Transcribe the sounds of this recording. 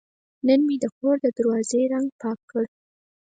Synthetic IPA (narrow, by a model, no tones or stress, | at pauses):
nənmid̪əxoɾd̪əd̪əɾwɑzeɾaŋɡ̚pɑkʰːəɽ